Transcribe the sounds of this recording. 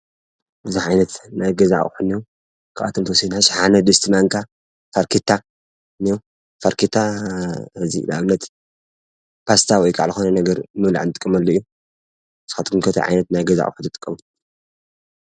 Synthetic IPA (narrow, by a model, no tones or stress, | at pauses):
bɨziʕajnɐt̪najɡɐza̰ʕ̰ʼħuniju | kʰaʔa̰t̪ʰomt̪ʰɐwɔsid̪naʃħanɐd̪ɨst̪ʰimaŋkʰa | faɾkʰet̪ʰːa | niu | faɾkʰet̪ʰːa | ɨzḭla̰βnːɐt̪ | pʰast̪ʰawɔjkʼa̰ʕlɨxonɐnɐɡɐɾmɨla̰ʕɨnt̪ʼɨkʼːɨmɐlːɐijːu | z̥xat̪ɡumkʰɐt̪ʰɐ̰ʕa̰jnɐt̪najɡɐza̰ʔʼħʊt̪ɨt̪ʼɨ̥kʼːɐmu